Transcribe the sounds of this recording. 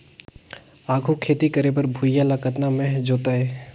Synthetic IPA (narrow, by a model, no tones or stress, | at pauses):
aːɡʱukʰeːt̪ikəɾeːbəɾbʱʊjaləkət̪namẽd͡ʒoːt̪aɦɛː